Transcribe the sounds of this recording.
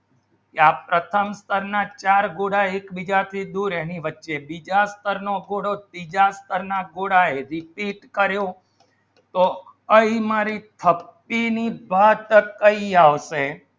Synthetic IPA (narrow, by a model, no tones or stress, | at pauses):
keapɾət̪ʰəmst̪ʰəɾnat͡ʃaɾɡoɽaeekbid͡ʒat̪ʰid̪uɾɛniʋətːʃebid͡ʒast̪ʰəɾnoɡoɽobid͡ʒast̪ʰəɾnaɡoɽaeɾipiʈkəɾjo | t̪o | əimaɾit̪ʰəpːinibat̪kəiaʋʃe